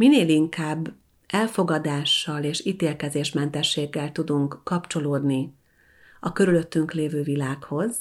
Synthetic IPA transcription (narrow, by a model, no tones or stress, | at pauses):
mineːliŋkaːbː | ɛlfo̞ɡɒd̪aːʃːɒleːʃiːt̪eːlkɛzeːʃmɛnt̪ɛʃːeːɡːɛlt̪ud̪uŋkːɒpt͡ʃo̞loːd̪ni | ɒkøɾyløt̪ːyŋkleːvøːvilaːkho̞z